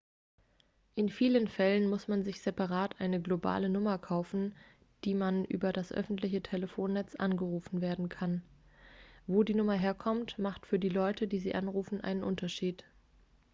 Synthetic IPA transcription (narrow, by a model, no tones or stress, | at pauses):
ʔɪnfiːlənfɛlənmʊsmanzɪçz̥ɛpaʁaːtʔaɪnəɡloba̰ːlənʊmɐkʰaʊfn̩ | d̥iːmanʔy̰ːbɐdasʔœ̰fn̩tlɪçətʰɛləfoːnːɛt͡sʔa̰nɡəʁuːfn̩veːɐdn̩kʰan | voːdiːnʊmɐɦeːɐkʰɔmtmaχtfyːɐdiːlɔʏtʰədiːziːʔanʁuːfn̩ʔa̰ɪnənʔʊntɐʃiːt